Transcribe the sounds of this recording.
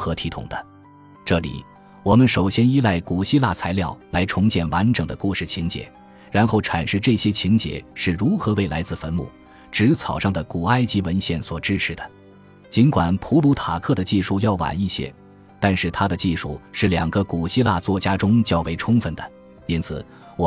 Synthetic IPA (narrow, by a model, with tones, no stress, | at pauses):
xɤ˧˥t̪ʰi˧˥t̪ʰʊ̰˨˩ŋd̪ə˦ | ʈ͡ʂɤ˥˩lḭ˨˩ | wɔ˨˩mə˦nʂo˨˩ʊɕjɛ˥ni˥la˥˩ɪku˨˩ɕi˥la˥˩t͡sʰa˧˥ɪljɑ˥˩ʊla˧˥ɪʈ͡ʂʰʊ˧˥ŋt͡ɕjɛ˥˩nwa˧˥nʈ͡ʂɤ˨˩ŋd̪ə̰˦ku˥˧ʂɻ̩˥˩t͡ɕʰi˧˥ŋt͡ɕjɛ̰˧˩˦ | ɻa˧˥nxo˥˩ʊʈ͡ʂʰa˨˩nʂɻ̩˥˧ʈ͡ʂɤ˥˩ɕjɛ˥t͡ɕʰi˧˥ŋt͡ɕjɛ̰˨˩˦ʂɻ̩˥˩ɻu˧˥xɤ˧˥we˥˩ɪla˧˥ɪt͡sɹ̩˥˩fə˧˥nmṵ˥˩ | ʈ͡ʂɻ̩˧˥t͡sʰɑ˨˩ʊʂɑ˥˩ŋd̪ə˩ku˨˩a˥ɪt͡ɕi˧˥wə˧˥nɕjɛ˥˩nswɔ˨˩ʈ͡ʂɻ̩˥ʂʰɻ̩˧˩d̪̥ə˩ | t͡ɕi˧˥nkwa˨˩npʰu˧˥lu˧˥t̪ʰa˨˩kʰɤ˥˩d̪ə˩t͡ɕi˥˧ʂu˥˧jɑ˥˩ʊwa̰˨˩ni˥˩ɕjɛ̰˥ | t̪a˥˧nʂɻ̩˥˩t̪ʰa˥d̪ə˨t͡ɕi˥˧ʂu˥˩ʂɻ̩˥˩ljɑ̰˨˩ŋɡə˧˦ku˨˩ɕi˥la̰˥˧t͡swɔ˥˩t͡ɕja˥ʈ͡ʂʊ˥ŋt͡ɕjɑ˥ʊwe˥˧ɪʈ͡ʂʰʊ˥ŋfə˥˩nd̪ə˩ | i˥nt͡sʰɹ̩˨˩ | wɔ˨˩